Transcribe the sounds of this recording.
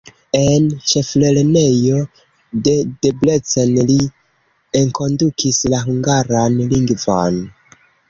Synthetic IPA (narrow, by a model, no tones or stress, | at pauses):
e̞nt͡ʃe̞fle̞lne̞jo̞ | ded̥eble̞t͡senli | eŋko̞ndukʰislaɦuŋɡaɾanliŋɡvo̰n